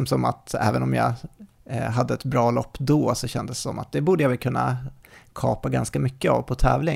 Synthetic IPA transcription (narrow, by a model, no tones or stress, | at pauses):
msɔma̰t̪ɛ̰ːvənɔmjɑ̰ | ɦad̪ːəɛt̪bɾɑːlɔpːd̪ɔsɔɕɛnd̪əsːɔmːa̰t̪̚d̪ɛbuːɖ̪əjavɛlkʰɵnːa̰kʰɑːpaɡanskamʏkːəa̰vpʰɔt̪ʰɛːvlɪ